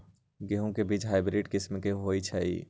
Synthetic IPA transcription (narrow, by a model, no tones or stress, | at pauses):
ɡeɦũkebiːd͡ʒɦaɪbɾiʈkɪsmkeɦoit͡ʃʰɛḭ